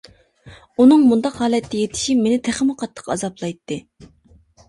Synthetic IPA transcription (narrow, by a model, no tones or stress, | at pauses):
unɨŋmund̪ɑqhɑːlɛt̪ːɛjet̪ʰɪ̥ʃipmenɪt̪ʰæχmɨqʰɑt̪ʰːə̥qɑ̰zɑplˠɑjt̪ʰːɨ